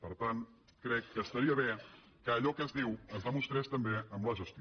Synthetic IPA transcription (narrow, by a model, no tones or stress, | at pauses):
pəɾt̪an | kɾɛkːəst̪əɾiəβe | kəːʎɔkəzðiwəzβamust̪ɾɛst̪əmbeəmləʒust̪